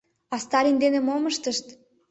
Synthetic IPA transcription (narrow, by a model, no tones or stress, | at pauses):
ɑst̪ɑɾʲind̪enemoməʃt̪əʃt̪